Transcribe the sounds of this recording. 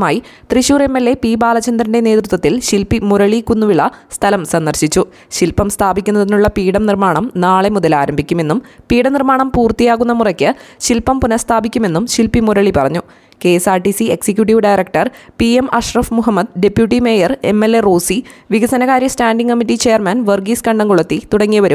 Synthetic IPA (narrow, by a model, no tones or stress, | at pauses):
maːji | t̪riɕuːre̞mːe̞lːe̞pibaːlɐt͡ɕɐnd̪ɾɐnde̞ne̞ːt̪ɾut̪wɐt̪ːilɕilpimuɾɐɭikunːuʋiɭːɐst̪ʰɐlɐmsɐnd̪ɐrɕit͡ɕːu | ɕilpɐmst̪ʰaːbikʲːunːɐðinuɭːɐpiːɽɐmnirmaːɳɐmnaːɭe̞muðɐlaːɾɐmbʱikʲːume̞nːumpiːɽɐnirmaːɳɐmpuːrt̪ijaːɣunːɐmurɐkʲːɨɕilpːɐmpunɐst̪ʰaːbikʲːume̞nːumɕilpimuɾɐɭipɐrɐɲːu | ke̞ːsaːrʈisie̞ksik̬ʲjuʈ̬iʋɖajɾɐk̚ʈɐrpiemɐʂrɐfmuɦɐmːɐd̪ɖe̞pːjuʈːimeːjɐre̞̰mːe̞lːe̞roːsiʋiɡɐsɐnɐɣaːɾjɐstaːɳɖiŋkɐmːiʈːit͡ɕe̞ːjɐrmɐnʋɐrɡiskɐɳɖɐŋkuɭɐt̪ːit̪uɽɐŋːijɐʋɐɾum